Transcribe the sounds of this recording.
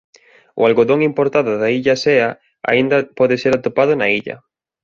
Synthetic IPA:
ʊ̰alɣoðoŋimpoɾt̪aðʊðaiʎaseɐ | a̰ind̪ɐpɔðɪseɾat̪opað̞ʊnaiʎɐ̰

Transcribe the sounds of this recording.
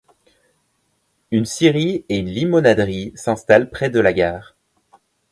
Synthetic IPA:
ynsiʁieynlimɔnad̪ʁisɛ̃st̪alpχɛd̪əlaɡʲaːʁ

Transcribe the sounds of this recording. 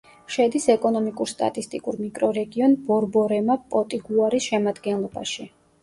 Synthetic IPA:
ʃɛd̪isɛkʼɔnɔmikʼuɾst̪ʼa̰t̪ʼist̪ʼikʼuɾmikʼɾɔɾɛɡiɔnb̥ɔɾbɔɾɛmapʼɔt̪ʼiɡuaɾisʃɛmad̪ɡɛnlˠɔba̰ʃi

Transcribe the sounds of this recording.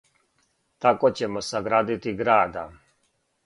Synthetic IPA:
t̪akot͡ɕemosaɡɾaːd̪it̪iɡɾaːd̪a̰

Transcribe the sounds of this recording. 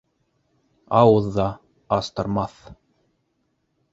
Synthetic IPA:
ɑwɤðːɑ | ɑst̪ɤ̆ɾmɑθ

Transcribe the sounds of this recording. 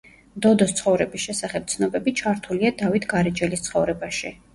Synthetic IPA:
d̪ɔd̪ɔst̪sʰχɔvɾɛbisʃɛsaχɛp̚t̪sʰnɔbɛbit͡ʃʰaɾt̪ʰuliad̪avit̪ʰɡaɾɛd͡ʒɛlist̪sʰχɔvɾɛbaʃi

